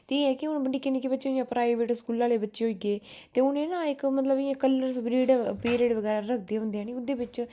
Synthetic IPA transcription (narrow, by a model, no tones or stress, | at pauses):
t̪eeːɛːkɪʊnbəɳɖiːkɪneːkeːbətːʃeijãːpɾaːiʋeːʈskuːlãːleːbətːʃeːɦoiːɡeːt̪eːʊnẽːnãːɪkmət̪ləbjãːkəlːəɾsbɾiːɖpeːɾeːɖʋəɡɛːɾaːɾəkʰd̪eːɦʊ̃nd̪eãːniʊd̪eːbɪt͡ʃ